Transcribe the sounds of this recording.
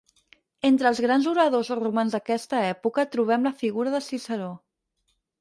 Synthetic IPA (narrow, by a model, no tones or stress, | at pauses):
ent̪ɾəːlˠzɣɾanzuɾəðozrumanzðəkɛst̪əɛpukət̪ɾuβ̞ɛmləfiɣuɾəðəsisəɾo